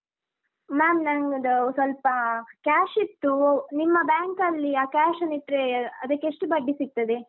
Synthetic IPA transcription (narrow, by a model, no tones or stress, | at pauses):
maːmnɐŋɡɐd̪ɐsʋɐlpɐkaːʂit̪ːunimːɐbaːŋkɐlːiaːkaːʃɐniʈ̪ɾeɐd̪ɐkːeʂʈubɐɖːisik̚t̪ɐd̪e